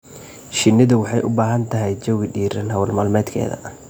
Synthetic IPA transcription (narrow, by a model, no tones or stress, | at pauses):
ʃɪnːɪðʊwɑħɑjʔʊbaːɦɐnt̪ʰɐɦɛjt͡ʃɔɣɖiːɾɐnɦɐwlmaːlmɛːd̪kʰɛ̰ːðɐ̰